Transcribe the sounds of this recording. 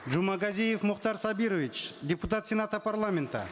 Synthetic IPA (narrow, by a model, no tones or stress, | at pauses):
d͡ʒumɑɡazʲijefmʊqt̪ɑɾsabiɾovit͡ʃdʲɪpʊt̪at̪sʲɪnat̪əparlˠamʲent̪ə̰